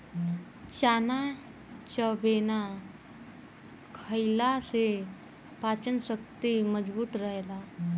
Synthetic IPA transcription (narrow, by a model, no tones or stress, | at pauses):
t͡ʃaːna | t͡ʃəbeːna | kʰəɪlase | paːt͡ʃənsəkt̪iməd͡ʒbuːt̪ɾəɦelaː